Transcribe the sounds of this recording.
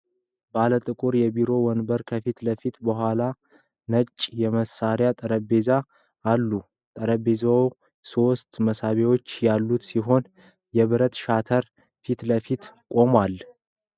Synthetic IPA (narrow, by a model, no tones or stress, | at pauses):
balət̪ʼɨkʼuɾjɛbiɾo̞wɔnbəɾkʰəfit̪ləfit̪bəɦwala | nət͡ʃʼːjɛməsaɾjat̪ʼəɾəbe̞zaː | lːu | t̪ʼəɾəbezaww | so̞st̪məsaβewo̞t͡ʃːjalːut̪siɦo̞n | jɛβɨɾət̪ʃat̪ʰəɾ | fit̪ləfit̪kʼo̞mal